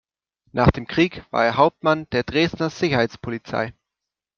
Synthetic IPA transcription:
nʔaːχd̥eːmkʁ̥iːkv̥a̰ːeːɐɦaʊp̚tmand̥eːɐdʁeːstnɐz̥ɪçɐhaɪt͡spʰolit͡sa̰ɪ

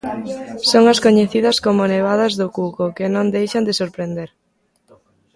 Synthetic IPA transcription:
soŋɐskoɲeθiðɐskomʊneβ̞aðɐzðʊkukokɪnõnd̪ejʃɐnd̪ɪsoɾpɾend̪eɾ

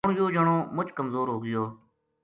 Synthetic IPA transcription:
ɳjoːd͡ʒəɳoːmʊt͡ʃʰkəmzoːɾɦoːɡɪjoː

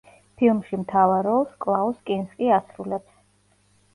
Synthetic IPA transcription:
pʰilˠmʃimt̪ʰavaɾɔlˠskʼlˠaɔskʼinskʼiasɾulɛps

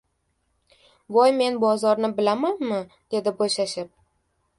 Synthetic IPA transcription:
vɒjme̞nbɒzɒɾnɪbɪlamanmɪ | d̪̥e̞d̪ɪboʃaʃɪp̚

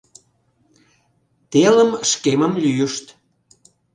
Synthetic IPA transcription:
t̪eləmʃkeməmlyjəʃt̪

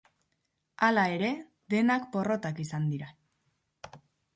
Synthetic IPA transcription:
alae̞ɾe̞ | ðe̞nakpo̞ro̞t̪akisand̪iɾa

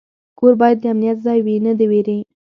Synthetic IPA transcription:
koɾbɑjad̪ːəamnijat̪zɑjwinəd̪eweɾe

